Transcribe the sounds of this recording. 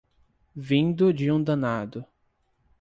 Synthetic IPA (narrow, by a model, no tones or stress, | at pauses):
vĩnd̪ʊd͡ʒɪũd̪ɐ̃nad̪ʊ